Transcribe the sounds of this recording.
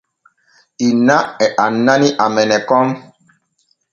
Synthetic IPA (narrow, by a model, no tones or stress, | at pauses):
inaɛʔanːaniʔamɛnɛkɔm